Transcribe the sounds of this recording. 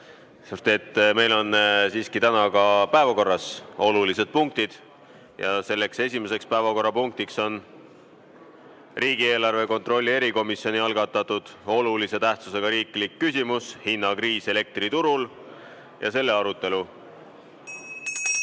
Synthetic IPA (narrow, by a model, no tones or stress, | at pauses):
sut̪et̪ːme̞jlo̞nsiːskit̪ænɑkɑpæevɑko̞rːɑso̞lulise̞d̪̥̚puŋk̚t̪id̪̥ | jɑse̞lːe̞kse̞sʲime̞se̞kspæevɑko̞rːɑpuŋk̚t̪ikso̞n | riːɡ̥ie̞ːlɑrve̞ko̞nt̪ro̞lʲːie̞ɾiko̞misio̞niɑlɡ̥ɑt̪ːˑɑt̪ːˑud̪̥o̞lulise̞t̪æht̪suse̞ɡ̥ɑɾiːklikːysʲimushinːɑkriːse̞le̞k̚t̪rit̪uɾul | jɑ̰se̞lːe̞ɑɾut̪ːˑe̞lu